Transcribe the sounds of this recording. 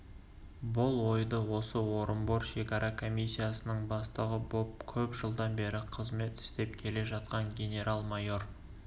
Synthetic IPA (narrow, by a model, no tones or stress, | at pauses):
bʊlˠwo̞jd̪əwo̞səwoɾəmboɾʃe̞kʲɑɾʔɑkʰo̞mʲijsʲːijasənəɴbɑst̪əʁəbop̚kʲʰɵpʒəlˠd̪ɑnbe̞ɾɪqʰəzme̞t̪ɪ̥st̪e̞p̚kʲʰe̞le̞ʒɑt̪qɑŋɡʲe̞nʲe̞ɾʔalˠmɑjo̞r